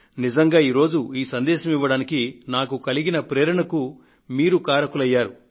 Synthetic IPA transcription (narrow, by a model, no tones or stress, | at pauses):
nid͡ʒɐŋɡaːiːɾo̞ːd͡ʒuiːsɐnd̪ɛːʃɐmiʋːɐɽaːnikinaːkukɐliɡinɐpɾɛːɾɐɳɐku | miːɾukaːɾɐkulɐjːaːɾu